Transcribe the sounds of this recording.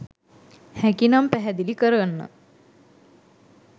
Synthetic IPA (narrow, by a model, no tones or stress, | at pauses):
hækinampæɦɛd̪ilikəɾənːə̰